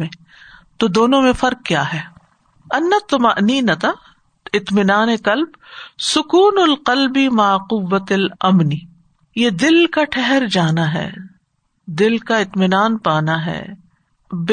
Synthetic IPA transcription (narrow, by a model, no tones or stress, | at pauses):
ẽ | t̪od̪oːnõmẽfɐɾk̚kjaːɦɛː | ɐnːɐt̪ːʊmɐʔniːnɐt̪a | ɪt̪mɪnaːneqɐlbsʊkuːnʊlqɐlbimaqʊʋːɐt̪ɐlɐmni | jed̪ɪlkaʈʰɛɦɛɾd͡ʒaːnaɦɛ̰ː | d̪ɪlkaɪt̪mɪnaːnpaːnaɦɛ̰ː | b